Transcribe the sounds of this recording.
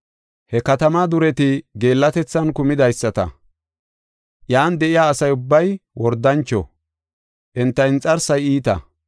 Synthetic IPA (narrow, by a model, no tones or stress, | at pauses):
hɛkɐt̪ɐmad̪ʊɾɛt̪ɪɡe̞ːlːɐt̪ɛt͡sːɐnkʊmɪd̪ɐjsːɐt̪ɐ̰ | jaːnd̪ɛʔɪjaːsɐjʊbːɐjwɔɾd̪ːɐnt͡ʃːɔ̰ | ʔɛnt̪ːɐɪnt͡sʼɐɾsɐjiːt̪ɐ̰